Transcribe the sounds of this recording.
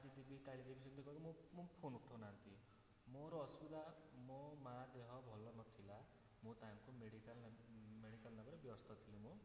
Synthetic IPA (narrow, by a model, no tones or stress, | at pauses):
ad͡ʒid̪ibʱikaɭid̪ibʱisɔnt̪ʰikɔkumũmũpʰonuʈʰɔnant̪i | moɾɔːsbud̪a | momad̪eɦɔbʱɔlɔnɔt̪ʰila | mũt̪aŋkumeɽikalmeɽikalnabɔɾebjɔɔst̪ʰɔt̪ʰilimũ